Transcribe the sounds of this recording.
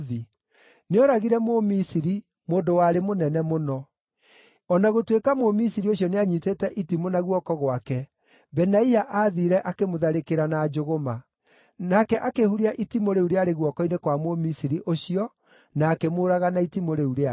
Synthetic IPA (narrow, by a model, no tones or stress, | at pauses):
ði | neɔɾaɣiɾɛmomisiɾi | moːndowaɾemonɛnɛmonɔ | ɔnaɣotwekamomisiɾioɕ̬iɔneaɲitetɛʔitimonaɣwɔkɔɣwakɛ | bɛnaiaʔaːðiɾɛʔakemoðaɾekeɾanad͡ʒoɣoma | nakɛʔakehuɾiaʔitimoɾeuɾeaɾeɣwɔkɔinekwamomisiɾiʔoɕiɔ | naːkemoːɾaɣanaitimoɾeuɾea